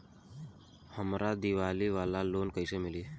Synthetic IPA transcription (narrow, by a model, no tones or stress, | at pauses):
həmɾad̪iʋaliʋalalonkəjsemiliː